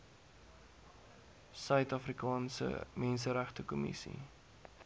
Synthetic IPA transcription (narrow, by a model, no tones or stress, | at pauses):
sœɥtɑfrikɑːnsə̰mɛnsəɾæχtəkɔmḭsḭ